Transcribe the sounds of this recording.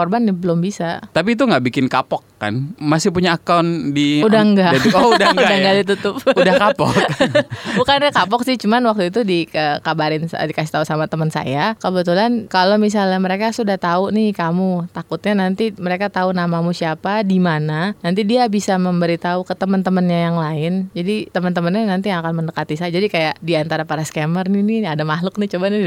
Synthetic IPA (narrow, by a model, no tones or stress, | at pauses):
ɔrbanːɪhbəlʊmbisat̪ap̬iːt̪̬uŋɡaʔbikɪnkapɔkːa̰nmasɪhpuɲaːkawndiudaŋɡat̪koudaŋudaŋɡaʔdit̪ut̪ʊp̚udahkapɔkbukanakapɔksɪht͡ʃumanwak̚t̪uit̪udikəkabaɾɪnsa̰dikasi̥t̪ausamat̪əmənsa̰jakəbət̪ulankalomis̬alɲaməɾekasudaht̪aunɪkamut̪akʊt̪̚ɲanant̪iməɾekat̪aunamamusiapadimananant̪idiabisaməmbəɾit̪aukət̪əmənt̪əmənɲajaŋlaɪnd͡ʒadit̪əmənt̪əmənɲanant̪iŋakanməndəkat̪isajad͡ʒadikajaʔdiant̪aɾapaɾaskɛmərniniadamaɦlʊk̚nɪht͡ʃumani